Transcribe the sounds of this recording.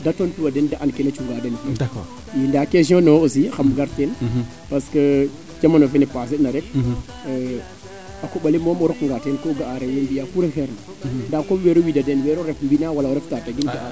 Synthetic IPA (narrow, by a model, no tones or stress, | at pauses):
datonpiwadendaʔankenat͡ʃuŋɡadenfd | jindakes̬iõnoosixamɡaɾten | paskə | d͡ʒamanofenepas̬iɗnaɾɛkː | akoɓalimomɔɾɔkŋɡatenkoɡaaɾewenbijakuɾexɛɾna | ndakoweɾowidadenweɾoɾefmbinawalaoɾɛftataɡinɡaʔa